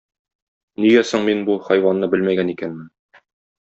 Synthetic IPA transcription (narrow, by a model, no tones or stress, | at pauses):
niɡæsɘɴminbuχɒjwɑnːɤbɘlmæɡænikænmɘn